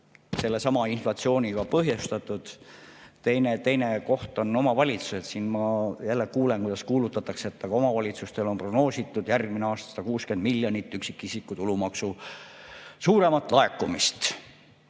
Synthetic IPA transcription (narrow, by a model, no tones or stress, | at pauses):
se̞lːe̞sɑmɑinflɑt̪sio̞ːnʲiɡɑpɤɦjust̪ɑt̪ːˑud̪̥t̪ejnet̪e̞jne̞ko̞ht̪o̞no̞mɑvɑlʲit̪su̥se̞t̪siːnmɑjælːekuːlenkujd̪̥ɑskuːlut̪ːˑɑt̪ːˑɑkseet̪ːɑɡ̥ɑo̞mɑvɑlʲit̪sust̪elo̞npro̞ɡ̥no̞ːsit̪ːˑud̪̥jærɡ̥mineɑːst̪ɑsɑ̥ɑkuːske̞nd̪̥miljɑnit̪ːˑyksi̥kːisikːˑut̪ulumɑksu | suːɾe̞mɑt̪ːˑlɑe̞kːˑumist̪